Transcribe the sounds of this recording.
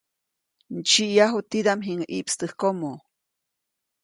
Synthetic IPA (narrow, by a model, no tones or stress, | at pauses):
n̩t͡ʃiʔjaɦut̪id̪amɦiŋaʔiʔpst̪ɨhkomo